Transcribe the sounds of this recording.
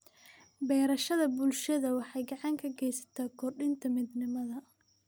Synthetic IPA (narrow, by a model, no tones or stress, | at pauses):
bɛːɾɐʃɐðɐbʊlʃɐðɐwɑħɑjɡɑʕɑŋkʰɐɡɛjsɐ̥t̪ʰaːkʰɔrɖɪnt̪ʰɐmid̪nɪmɐðɐ